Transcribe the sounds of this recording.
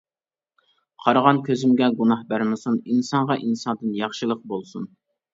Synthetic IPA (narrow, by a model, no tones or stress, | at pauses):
qʰɑɾʁɑnkʲʰøzɪmɡʲɛɡunɑhbæɾmɪsuninsɑɴʁɑʔinsɑnd̪ɨnjɑχʃɨlˠəq̚bolˠsun